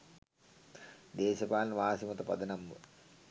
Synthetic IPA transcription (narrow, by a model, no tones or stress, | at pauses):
d̪eːʃɐpaːlnʋaːsimɐt̪əpɐ̰d̪ənɐmːə̰